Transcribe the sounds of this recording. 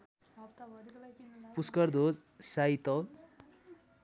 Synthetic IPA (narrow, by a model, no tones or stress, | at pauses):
puskʌrd̪ʱod͡z | sait̪ʌl